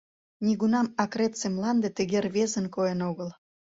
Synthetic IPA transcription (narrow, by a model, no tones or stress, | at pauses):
nʲiɣunɑmɑkret̪semlɑnd̪et̪ə̆ɣerβezənkoenoɣəl